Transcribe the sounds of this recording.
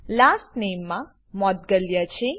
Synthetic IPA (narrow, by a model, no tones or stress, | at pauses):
lasʈnemːã | mɔt̪̚ɡəljət͡ʃʰe